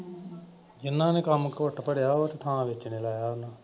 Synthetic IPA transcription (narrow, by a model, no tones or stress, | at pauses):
d͡ʒɪnːãːneːkəmkʊʈpəɽjaːoːt̪eːt̪ʰãːʋɪt͡ʃneːlaːjaːʊnãː